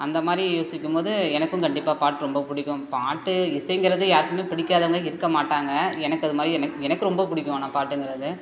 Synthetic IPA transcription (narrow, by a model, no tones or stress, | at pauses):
ɐnd̪ɐmaːd̪ɾijoːsɪkʲːɯmpoːðɯɛnɐkːɯ̃kɐɳɖɪpːaːpaːʈːɯɾɔmbɐpʊɽɪkʲːʊ̃paːʈːɯɪsɐjŋɡɪɾɐðɯjaːɾɯkːɯmeːpɪɽɪkʲːaːðɐʋŋɡɐɪɾɯkːɐmaːʈːaːŋɡɐɛnɐkːɯɐðɯmaːd̪ɾiɛnɐkɛnɐkːɯɾɔmbɐpʊɽɪkʲːʊ̃nãːpaːʈːɯŋɡɪɾɐðɯ